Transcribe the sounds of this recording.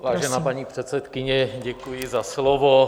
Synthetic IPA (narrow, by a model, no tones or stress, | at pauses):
vaːʒɛnaːpaɲiːpr̥ɛt̪sɛt̪kɪɲɛɟɛkujɪzaslovo